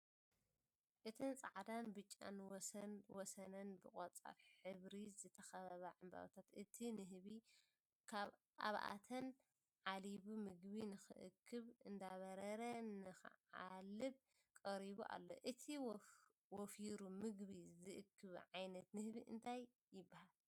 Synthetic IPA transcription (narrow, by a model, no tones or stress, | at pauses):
ʔɨt̪ʰɨnt͡sʼaʕd̪anbɨt͡ʃʼːa̰n | wɔsɐnɐnbɨχʼot͡sʼa̰ɾħɨβɾizɨt̪ʰɐxɐβɐβɐʕamba̰βt̪ʰat̪ʔɨt̪ʰinɨɦβi | kʰaβ | ʔa̰βa̰ʔa̰t̪ʰɐn | ʕaliβumɨɡβinɨxɨ̰ʔɨ̰kʰːɨβɨnd̪aβɐɾɐɾɐnɨxɨ̰ʕalɨb | kʼɐɾiβuʔa̰lːo̞̰ʔɨt̪ʰiw | wɔfiɾumɨɡβizɨʔɨkʰːɨβʕajnɐt̪nɨhβiʔɨ̰nt̪ʰajː | ɪbːahal